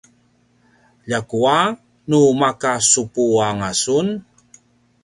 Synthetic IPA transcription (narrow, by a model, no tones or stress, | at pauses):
ʎakua | numakasupuaŋasun